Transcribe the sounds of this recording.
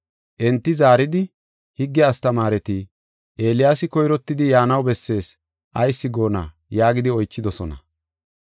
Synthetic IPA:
ʔɛnt̪ːɪzaːɾɪd̪ɪ | hɪɡːɛɐst̪ɐmaːɾɛt̪i | ʔe̞ːlɪjaːsɪkɔjɾɔt̪ːɪd̪ɪjaːnɐwbɛsːe̞ːs | ʔɐjsːɪɡo̞ːna̰ː | jaːɡɪd̪ɪɔjt͡ʃːɪd̪ɔsɔnɐ̰

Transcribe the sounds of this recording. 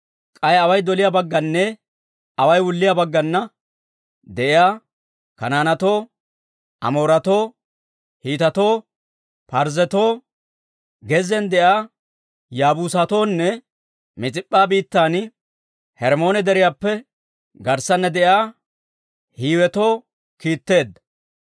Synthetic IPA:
kʼɐjɐwɐjd̪ɔlɪjabɐɡːɐnːɛ | ɐwɐjwʊlːɪjaːbɐɡːɐnːɐ | d̪ɛʔɪjaː | kɐnaːnɐt̪oː | ʔɐ̰moːɾɐt̪oː | hiːt̪ɐt̪oː | pɐɾzɛt̪oː | ɡɛzɛnd̪ɛʔaː | jaːbuːsat̪o̞ːnːɛ | mɪt͡sʼɪpʼːaːbiːt̪ːaːn | hɛɾmo̞ːnɛd̪ɛɾɪjaːpːɛ | ɡɐɾsɐnːɛd̪ɛʔjaː | hiːwɛt̪o̞ː | kiːt̪ːe̞ːd̪ːɐ̥

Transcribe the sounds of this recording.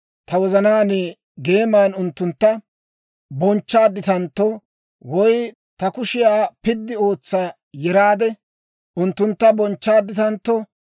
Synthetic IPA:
t̪ɐwɔzɐnaːne | ɡe̞ːmaːnʊnt̪ːʊnt̪ːɐ | bɔnt͡ʃːaːd̪ːɪt̪ɐnt̪ːɔ | wɔj | t̪ɐkʊʃɪjaːpɪd̪ːɪo̞ːt͡sːa | jɛɾaːd̪ɛ | ʔʊnt̪ːʊnt̪ːɐbɔnt͡ʃːaːd̪ːɪt̪ɐnt̪ːɔ

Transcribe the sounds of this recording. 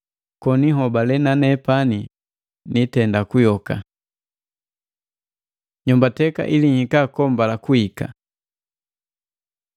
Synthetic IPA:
kɔniɦɔbalɛnanɛpani | nitɛndakujɔka̰ | ɲumbatɛka̰ʔiliɲikakɔmbalakuika̰

